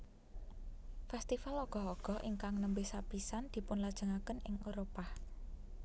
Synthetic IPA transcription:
fɛst̪ifaloɡ̥ɔ̤ɦɔɡ̥ɔ̤ʔiŋkaŋnəmbesapisand̪̥i̤pʊnlad̥ʒ̥ə̤ŋakənɪŋoɾopah

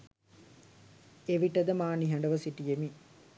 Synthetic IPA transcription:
eʋiʈɐd̪ɐmaːniɦɐɳɖɐʋɐsiʈijemi

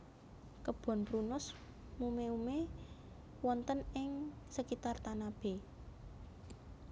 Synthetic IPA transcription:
kəb̥ɔ̤npɾunʊs | mumeume | wɔnt̪ənɪŋ | səkit̪art̪anab̥e̤

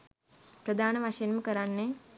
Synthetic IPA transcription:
pɾəd̪aːnəʋaʂəjenməkəɾanːe

